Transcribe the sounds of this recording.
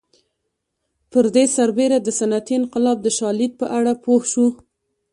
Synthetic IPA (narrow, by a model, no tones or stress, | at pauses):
pəɾd̪esaɾbeɾad̪əsanat̪iɪnqɪlɑb̚d̪əʃɑlid̪̚pəʔaɽapohʃu